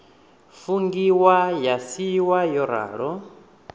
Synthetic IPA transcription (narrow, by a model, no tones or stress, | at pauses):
fuŋɡiwajasiwajɔɾa̰ːɺɔ